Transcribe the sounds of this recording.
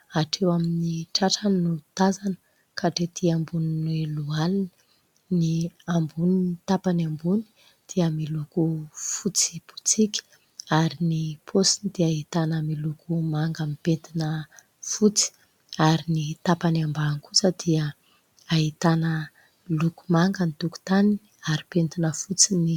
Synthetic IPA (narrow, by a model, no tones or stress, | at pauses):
aʈ͡ʂʰewaminiʈ͡ʂaʈ͡ʂənut̪azanə̥ | kʰaʈ͡ʂet̪ʰiambuninelualini̥ | niambuniit̪apaniambuni̥ | d̪̥iəmilukufut͡si̥pu̥t͡sikʲi̥ | aɾinipʰosinid̪̥iaɦit̪anəmilukʰumaŋɡəmipent̪inə | fut͡si̥ | aɾinit̪apaniambaːnkusəd̪̥iə | aɦit̪anə | luku̥maŋɡənit̪uku̥t̪ani | aɾipent̪inəfut͡sini